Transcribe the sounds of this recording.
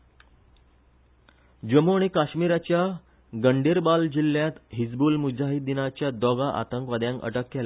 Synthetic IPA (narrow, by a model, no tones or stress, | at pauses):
d͡ʑəmoɳ̃ikaɕmiɾat͡ɕja | ɡəɳɖeɾbald͡ʑilːjãt̪ɦid͡zbuːlmud͡zaɦit̪̚d̪inat͡ɕjad̪ɔɡaʔa̰t̪əŋkʋad̪jãŋkə̰ʈəkːɛla